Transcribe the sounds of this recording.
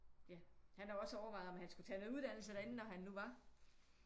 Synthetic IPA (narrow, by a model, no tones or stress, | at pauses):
jæhænæɒ̽səɒʊɐʋɑ̈ð̩ɒmænhænsɡ̥ut͡sʰɛːnoðˠuð̞ˠd̥æn̰l̩səd̥ɐe̝n̩nɒɦænːuʋɑ̈